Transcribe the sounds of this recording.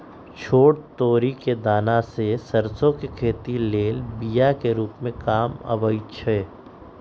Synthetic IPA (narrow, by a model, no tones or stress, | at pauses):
t͡ʃʰoːɽt̪oːɾiked̪aːnasesɐɾsõkekʰeːt̪ileːlbijakeɾuːpmẽkaːmə̰ʋət͡ʃʰɛː